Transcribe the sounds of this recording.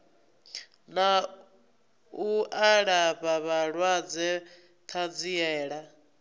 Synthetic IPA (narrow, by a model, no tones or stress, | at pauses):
na | uaɺaβaβaɺwad͡zɛ | t̪ʰad͡ziɛːɺa